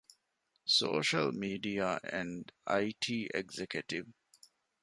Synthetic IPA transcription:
so̰ːʃəlmiːɖiaʔæ̰̃ɳɖa̰ɪʈʰiːʔeɡzekjəʈiʋ

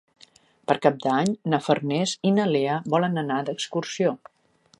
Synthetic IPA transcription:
pəɾkap̚d̪aɲnəfərnɛzinəleəβɔlənənad̪əkskursio

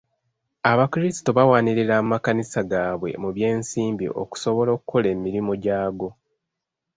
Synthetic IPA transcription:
aβakiɾisi̥to̞βawaːniɾeɾaːmakanisaɡaːβwe̞̰muβje̞ːnsiːmbḭʔo̞̰ku̥so̞βo̞lo̞ːkukʰo̞le̞ːmiɾimo̞ɟaːɡo̞

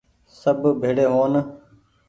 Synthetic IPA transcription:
səbʱbʱeːɽeːɦoːn

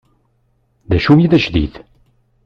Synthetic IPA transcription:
ðæʃumiðæʃðḭθ

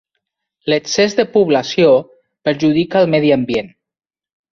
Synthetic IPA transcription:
ləksezðəpuβlasjo | pəɾʒuð̞ikaːlˠmɛðiambjen

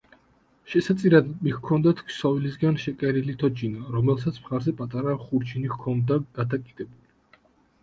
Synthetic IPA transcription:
ʃɛsat̪sʼiɾad̪mihkʰɔnd̪at̪ʰkʰsɔvilisɡanʃɛkʼɛɾilit̪ʰɔd͡ʒinaɾɔmɛlˠs̬at̪sʰmχaɾzɛpʼat̪ʼaɾaχuɾd͡ʒinikkʰɔnd̪aɡ̥ad̪akʼid̪ɛbuli

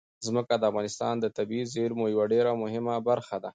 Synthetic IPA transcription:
zməkad̪əafɣɑnɪst̪ɑ̰nd̪ət̪abizeɾmojawaɖeɾamʊɦɪmabaɾxad̪a

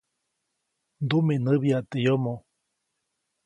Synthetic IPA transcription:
nd̪umenəβiat̪ejomo

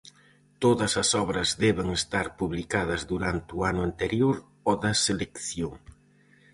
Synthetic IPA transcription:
t̪oðɐsɐsɔβɾɐzðɛβeŋest̪aɾpuβlikaðɐzðuɾant̪ɪʊanʊant̪eɾjoɾ | ɔðɐselekθjoŋ

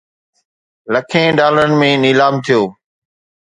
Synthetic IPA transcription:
ləkʰẽːɖaːlɾənɪ̆mẽniːlaːmt̪ʰijoː

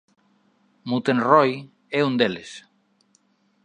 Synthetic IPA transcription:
mut̪ẽnrɔj | ɛund̪eles

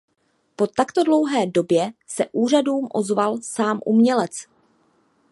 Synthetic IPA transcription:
po̞t̪akt̪o̞dlo̞wɦɛːdo̞bjɛsɛʔuːr̝aduːmʔo̞̰zvalsaːmʔṵmɲɛlɛt͡s

